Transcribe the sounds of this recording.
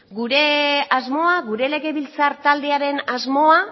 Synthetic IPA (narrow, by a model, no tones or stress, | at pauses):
ɡuɾe̞azmo̞aɣuɾe̞le̞ɣe̞βilt͡saɾt̪ald̪e̞aɾe̞nazmo̞a